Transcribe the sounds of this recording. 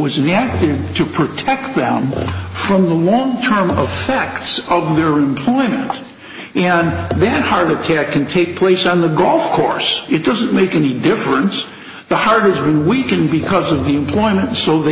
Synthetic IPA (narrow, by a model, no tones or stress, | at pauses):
wʌzɨ̃næk̚tɪd̚tʰɨpʰɹ̥ɨtʰɛk̚t̪̚ðɨ̃mfɹʌ̃mðəlɔ̃ŋtʰɜ̃˞mɪfɛk̚tsʌvðə˞ɨ̃mpʰl̥ɔɪmɨ̰̃nt | ɨ̃nðɨt̚hɑɹɾɨtʰækʰːɨ̃n̩tʰeɪk̚pʰl̥eɪsn̩ðəɡɔlˠfkʰɔ̰ɹsɨt̚d̥ʌz̃nmeɪkɛnidɪfɹɨ̃ns | ðəhɑɹɾ̚ɨzbɨ̃nwikɨ̃nbɨkʰʌzʌvðiɨ̃mpʰl̥ɔɪmɨ̃ntsoʊðe